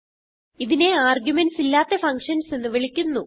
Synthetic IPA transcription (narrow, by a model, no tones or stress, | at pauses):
iðine̞aːrɡʲjumensilːaːt̪ːefɐŋkʂɐnse̞nːɨʋiɭikʲːunːu